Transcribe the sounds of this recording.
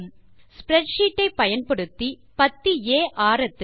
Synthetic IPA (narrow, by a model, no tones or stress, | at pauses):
m | spɾɛʈʂiːʈːɐɪpːɐjɐnpɐɽɯt̪ːi | pɐt̪ːieːʔaːɾɐt̪ːɯ